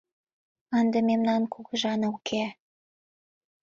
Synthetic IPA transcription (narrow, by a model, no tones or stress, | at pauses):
ɑnd̪əmemnɑnkʰuɡə̆ʒɑnəukʰe